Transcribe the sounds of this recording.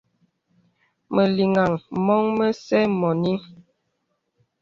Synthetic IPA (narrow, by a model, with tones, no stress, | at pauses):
mə˨li˨ŋa˨ŋmɔ˦ŋmə˦sɛ˦mɔ˨ni˦